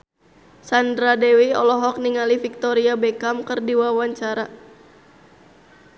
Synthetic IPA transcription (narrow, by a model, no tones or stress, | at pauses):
sandɾadɛwiɔlɔɦɔk̚niŋalifik̚t̪ɔɾiabɛkamkɨrdiwawaɲt͡ʃaɾa